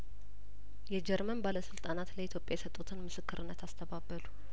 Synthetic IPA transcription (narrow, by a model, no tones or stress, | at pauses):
jɛd͡ʒɛɾmənbaləsɨlt̪ʼanat̪ləit̪ʰjo̞pʼːjajɛsət̪ʼːut̪ʰɨnmɨsɨkːɨɾʔɨnːət̪ʰast̪ʰəbabːəlu